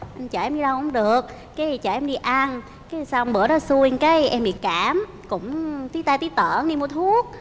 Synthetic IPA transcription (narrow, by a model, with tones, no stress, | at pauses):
ʔt͡ɕəː˧˩ʔɛ˧mɲi˧ɗə˧wkʊ̰˧˥ŋ͡mɗɨ˨˩ək̚ːaː˨˦˨t͡ɕaː˨˩ʔɛ˧mɗi˧ʔa˧n | kaː˨˦sa˧wŋ͡mɓɨ˨˩əɗɔ˨˦su˧ka˨˦jʔɛ˧mɓi˨˩kaː˧˩m | kʊ̰˧˥ŋ͡mt̪i˦˥t̪aː˧jt̪i˦˥t̪əː˧˩ŋi˧mu˧˩t̪ʰu˦˥ək̚